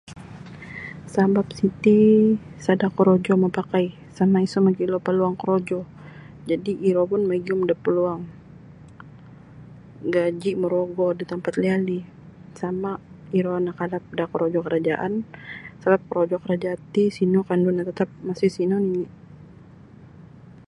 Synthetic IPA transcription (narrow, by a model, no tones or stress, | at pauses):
sabap̚sit̪isadakəɾod͡ʒɔmapakaj | samaisɔmaɡilopaluaŋkəɾod͡ʒɔ | d͡ʒadiʔiɾopʊnmaɡiʊmdapəluaŋ | ɡad͡ʒiməɾoɡɔdit̪əmpat̪liali | samaiɾɔanakadap̚dakəɾod͡ʒɔkəɾad͡ʒaʔansabap̚kəɾod͡ʒɔkəɾad͡ʒat̪isinɔkandunat̪at̪ap̚masɪhsinɔnini